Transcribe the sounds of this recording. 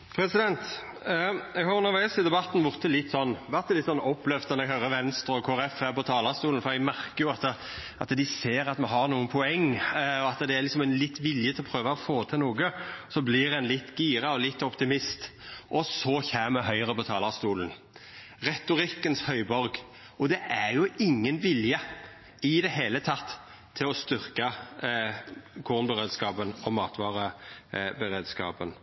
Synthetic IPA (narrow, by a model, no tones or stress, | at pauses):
pʰɾɛsɪd̪ɛnt̪ | ɛɡhɑɾjʊnæɾʋæːsɪd̪ɛbɑt̪ːn̩ʋʊʁt̪ʰəlɪt̪ːsɔnːʋæʁt̪ɛlɪt̪ːsɔnːɔpːlɛʋd̪ɛnɛɡhœɾəʋɛnst̪ɾɔkʰoæɾɛfæpɔt̪ʰɑːlɑst̪uːlnfɔɾɛɡmæʁkəjʊɑt̪ə | ɑt̪d̪ɪseːɾɑt̪mɛɦɑɾnuːənpʰɔɛŋːɔɑt̪əd̪ɛæɾlɪksɔmɛɪnlɪt̪ːʋɪljət̪ʰɪlɔpʰɾøːʋɑɔfoːt̪ʰɛnuːɡəsɔblɪɾɛnlɪt̪ːɡiːɾɑɔlɪt̪ːɔpt̪ɪmɪst̪ʔɔsɔçɛːməɦœʏʁəbət̪ʰɑːlɑʁst̪uːlən | ʁɛt̪ʊɾɪkːənshœʏbɔɾɡ | ɔd̪ɛʔæʁjʊɪŋːənʋɪljə | ɪd̪ɛɦeːlət̪ʰɑt̪ʰː | ɪlɔst̪ʏʁkɑ | kʰuːʁnbəʁeːd̪skɑːpənɔmɑːt̪ʋɑːʁəbəʁeːd̪skɑ̰ːpən